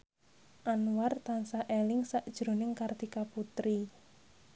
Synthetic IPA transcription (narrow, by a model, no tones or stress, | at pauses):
ʔanwart̪ansaʔelɪŋsaʔd̥ʒ̥ɾo̤nɪŋkard̪̥ikaput̪ɾi